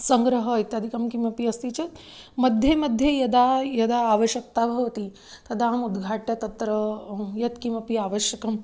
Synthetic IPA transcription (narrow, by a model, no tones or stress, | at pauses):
sɐ̃ŋɡɾɐɦɐit̪jɐd̪ʱikɐmkimɐpiɐst̪it͡ʃɐt̪ | mɐd̪ʱjemɐd̪ʱjejɐd̪ajɐd̪aaːʋɐʃjɐk̚t̪abʱɐʋɐt̪i | t̪ɐd̪ʱaːmud̪ɡʱaːʈjɐt̪ɐt̪ɾɐjɐt̪kimɐpiaːʋəʃjɐkɐm